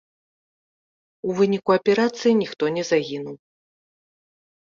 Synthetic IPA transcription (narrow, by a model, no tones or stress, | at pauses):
uvɨnʲikuɐpʲɛɾat̪sɨjinʲixt̪ɔnʲɛzaɣʲinuw